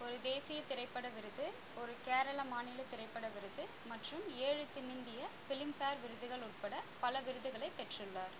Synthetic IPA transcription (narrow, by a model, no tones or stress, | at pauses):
ɔɾɯd̪eːsɪjɐt̪ɪɾɐɪpːɐɽɐʋɪɾɯðɯ | ɔɾɯkeːɾɐɭɐmaːnɪːlɐt̪ɪɾɐɪpːɐɽɐʋɪɾɯðɯ | mɐʈrɯmeːɻɯt̪ːɪnɪnd̪ɪjɐfɪlɪmpaːɾʋɪɾɯðɯɣɐɭʊʈ̚pɐɽɐpɐlɐʋɪɾɯðɯɣɐɭɐɪpɛʈrɯɭːaːɾ